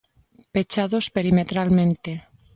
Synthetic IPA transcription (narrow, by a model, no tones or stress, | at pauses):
pe̞t͡ʃaðo̞spe̞ɾimet̪ɾalmẽnt̪e